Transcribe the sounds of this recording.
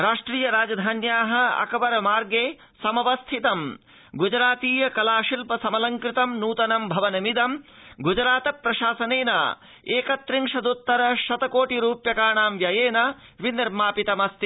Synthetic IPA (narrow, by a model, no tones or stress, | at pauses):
ɾaːʂʈɾiːjɐɾaːd͡ʒɐd̪ʱaːnjaːɦɐ̆ɐ̰kɐʋɐɾɐmaːɾɡeː | sɐmɐʋɐst̪ʰit̪ɐm | ɡud͡ʒɾaːt̪iːjɐkɐlaːʃilpɐsɐmɐlɐŋkɾɪt̪ɐmnuːt̪ɐnɐmbʱɐʋɐnɐmid̪ɐmɡud͡ʒɾaːt̪ɐpɾɐʃaːsɐneːna̰ | eːkɐt̪ɾiŋʂɐd̪ut̪ːɐɾɐʃɐt̪ɐkoːʈiɾuːpjɐkaːɳaːmʋjɐjeːnɐʋiniɾmaːpit̪ɐmɐst̪i